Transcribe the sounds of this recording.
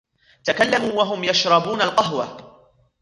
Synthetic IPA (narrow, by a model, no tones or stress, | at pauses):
t̪akalːamuːwaɦʊmjaʃɾˤɑbuːnalqɑɦwa̰